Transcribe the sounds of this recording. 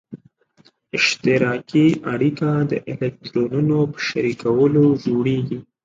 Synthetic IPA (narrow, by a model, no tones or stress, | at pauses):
ɪʃt̪ɪɾɑkiʔaɽikad̪əʔɪlek̚t̪ɾonunopə̥ʃaɾikawəlod͡ʒoɽeɡi